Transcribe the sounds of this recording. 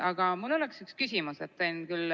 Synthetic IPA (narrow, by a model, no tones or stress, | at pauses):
ɑɡ̥ɑmulo̞leksykskysʲimuset̪ːenkyl